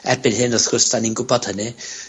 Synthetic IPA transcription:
ɛrbɪnɦɪnɔθʊstaninɡʊbɔd̥hənɪ

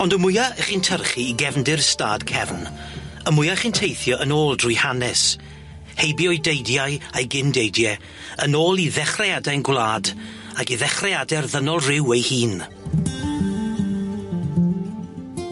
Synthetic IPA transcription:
ɔndəmʊjaəχiːntʰərχiːɡɛvndɪrstaːd̥kʰɛvn | əmʊjaχintʰejθjɔʔənoːlˠdrʊjhanɛs | hejbiɔjdejdjajejɡɪndejdjɛ | ənoːlˠiðɛχrɛadɛnɡwlˠaːd | akiðɛχrɛadɛrðənɔlˠrɪwejhiːn

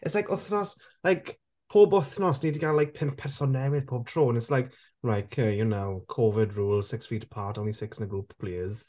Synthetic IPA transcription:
ɪtslajkʊθnɔs | lajk | pʰoːbʊθnɔsniːdiɡalaɪjk̚pʰɪ̃mppʰɛrsɔnɛwɪðpʰoːb̚tʰɹ̥oːnɪtslajk | ɹajkʰəjənawkʰɔvɪdɹuːlˠsɪksfiːtə̥pʰatʰɔ̃nlisɪksɪ̃nəɡɹuːppʰl̥eːəz̥

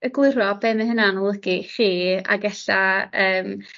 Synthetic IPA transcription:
əɡlˠʊrɔbɛmɪnɦənanɔlˠəɡiχiːa̰ɡɛɬaəːm

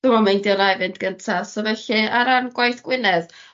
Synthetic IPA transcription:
d̥ʊmɔmajndjɔnajvɪndɡ̥əntʰasɔvɛɬɨaɾanɡ̥wajθɡ̥wɪnɛð

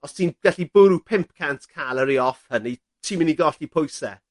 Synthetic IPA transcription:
ɔssinɡ̥aɬib̥ʊɾupʰɪmp̚kʰantkʰalˠəɾiɔfhəni | tʰiːmɪniɡɔɬipʰʊjsɛ̰

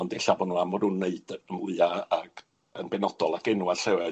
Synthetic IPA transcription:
ɔndɛɬavɔnuːamɔdʊnːeɨdəmʊɨaaɡ̥ | ənbɛnɔdɔlˠaɡɛnuarɬɛwɛ

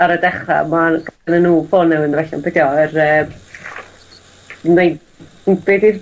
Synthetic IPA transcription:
aɾədɛχa̰maɡnənuːfonːɛwɪnrɛɬɔ̰nbɛdjɔərəːm | nejd | beːdir

